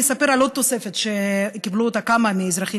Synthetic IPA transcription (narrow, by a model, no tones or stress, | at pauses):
esape̞ʁalod̪̚t̪ose̞fe̞t̪ʃekibluot̪akamamiːzɾaχi